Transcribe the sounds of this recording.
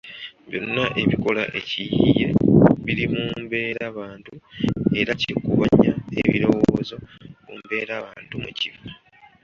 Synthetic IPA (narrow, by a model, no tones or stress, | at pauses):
bjo̞̰nːaʔe̞βiko̞laʔe̞cijije̞βiɾimuːmbe̞ːɾaβaːntue̞ɾacekuβaɲae̞̰βḭɾo̞wozo̞ | kuːmbe̞ːɾaːβaːntumuciva